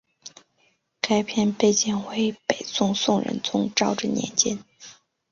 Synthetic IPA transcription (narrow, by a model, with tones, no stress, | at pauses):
ka˥ɪpʰjɛ˥˧npe˥˩ɪt͡ɕi˥˩ŋxwe˧˥ɪpe˨˩ɪt͡sʊ˥˧ŋsʊ˥˩ŋɻə̰˧˥nt͡sʊ˧˥ŋʈ͡ʂɑ˥˧ʊʈ͡ʂə˥˧njɛ̰˧˥nt͡ɕɛ˥n